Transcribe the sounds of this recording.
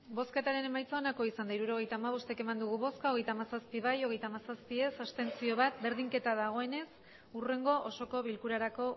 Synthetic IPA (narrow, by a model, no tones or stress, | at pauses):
bo̞ske̞t̪aɾe̞ne̞majt͡saonako̞isand̪aiɾuɾo̞ɣ̞e̞jt̪aːmaβ̞o̞st̪e̞ke̞mand̪uɣ̞uβo̞skao̞ɣ̞e̞jt̪amasaspiβ̞ajo̞ɣ̞e̞jt̪aːmasaspie̞sast̪e̞nsio̞βat̪̚be̞ɾðiŋke̞t̪aðaɣ̞o̞e̞ne̞s | ure̞ŋɡo̞ʔoso̞ko̞βilkuɾaɾako̞